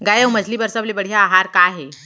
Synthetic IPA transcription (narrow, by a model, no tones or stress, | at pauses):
ɡajəwməd͡ʑʱliːbəɾsəblebəɽ̤jaːɦaɾkaɦe